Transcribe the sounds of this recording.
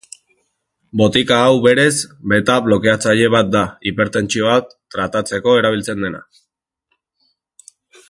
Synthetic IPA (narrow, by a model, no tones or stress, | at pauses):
bo̞t̪ikaːwβe̞ɾe̞zbe̞t̪aβlo̞ke̞at͡saʎe̞βat̪̚d̪aipe̞ɾt̪e̞nt͡sio̞βa | ɾat̪at͡se̞ko̞e̞ɾaβ̞ilt͡se̞nd̪e̞na̰